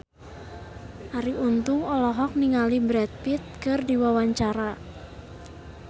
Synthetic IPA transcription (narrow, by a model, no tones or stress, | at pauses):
ʔaɾiunt̪ʊŋɔlɔɦɔk̚niŋalibɾɛt̪̚pit̪̚kɨrdiwawaɲt͡ʃaɾa